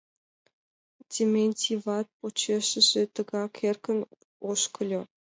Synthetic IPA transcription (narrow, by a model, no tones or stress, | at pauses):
tʲemʲenʲtʲiβɑt̪̚pot͡ɕeʃɘ̆ʒĕt̪ə̆ɡɑkʰerkə̆n | oʃkɤ̆lʲŏ